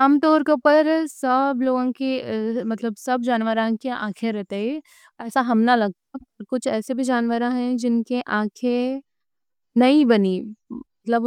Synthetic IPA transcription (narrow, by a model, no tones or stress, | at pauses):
aːmt̪ɔːɾkõpɐɾsɐbloːɡõkemɐt̪ləbsɐbd͡ʒaːnʋəɾãkeã̰ːkʰeɾɛɦt̪ee | ɛːsaɦɐmnalɐɡ̚t̪aɔɾkʊt͡ʃʰɛːsebʱid͡ʒaːnʋəɾãɦɛ̃d͡ʒɪnkeʔãːkʰe | nɐibɐnimɐt̪ləb